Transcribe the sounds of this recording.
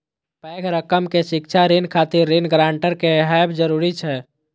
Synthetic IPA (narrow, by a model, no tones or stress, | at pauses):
pɛkɾəkəmkeʃikt͡ʃʰaɾenkʰat̪iɾːenɡɾaːɳʈəɾkeɦajbd͡ʒəɾuɾit͡ʃʰɛ